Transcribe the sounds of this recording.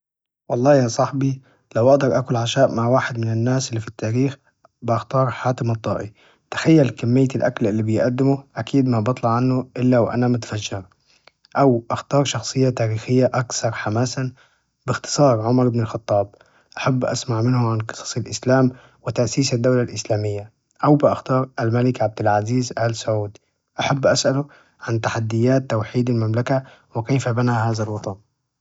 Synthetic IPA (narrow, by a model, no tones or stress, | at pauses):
wɑlˤːɑːjasˤɑħbi | lawʔɑʔd̪ɑɾˤʔakʊlʕaʃaːʔmaʕwaːħɪd̪mɪnɪnːaːsʔɪlːifit̪ːaːɾiːx | bɪʔaxt̪ɑːɾˤħaːt̪ɪmɑt̪ˤːɑːʔi | t̪ḁxajːalkamːɪjːalʔa̰klʔɪlːibɪjʔad̪ːɪmʊʔakiːd̪mabɑt̪ˤlɑʕanːʊʔɪlːawʔa̰namʊt̪ḁfaʒːɑɾ | ʔawʔaxt̪ɑːɾˤʃɑxsˤɨjːat̪aːɾiːxɪjːaʔakθɑɾˤħamaːsa | bɪxt̪ɨ̥sˤɑːɾˤʕʊmɑɾˤʔɪbnɪlxɑt̪ˤːɑːb̚ | ʔaħabːʔa̰smaʕmɪnhʊʕanqɨ̥sˤɑ̥sˤɪlʔɪslaːm | wɪt̪aʔsiːsad̪ːawlalʔɪslaːmɪjːa | ʔawbɪʔɑxt̪ɑːɾˤʔalmalɪkʕab̚d̪ɪlʕaziːzʔalsʊʕuːd̪ | ʔaħabːʔasʔalʊ | ʕant̪aħad̪ːɪjːaːt̪ːawħiːd̪almamlakawɪkejfabanahaːzalwɑt̪ˤɑn